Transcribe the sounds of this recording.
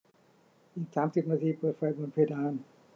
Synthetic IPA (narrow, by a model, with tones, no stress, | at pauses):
ʔiː˨˩k̚saː˩˦msi˨˩p̚naː˧t̪ʰiː˧pɤː˨˩t̪̚fa˧jbo˧npʰeː˧˩daː˧˥˩n